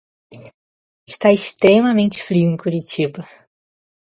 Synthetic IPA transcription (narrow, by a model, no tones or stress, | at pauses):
ɪʃt̪aɪst̪ɾemɐmẽnt͡ʃɪ̥fɾiʊẽj̃kuɾit͡ʃibɐ